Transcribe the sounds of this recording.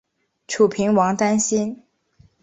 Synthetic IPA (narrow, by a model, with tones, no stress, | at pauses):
ʈ͡ʂʰu˨˩pʰi˧˥ŋwɑ˧˥ŋt̪a˥nɕi˥n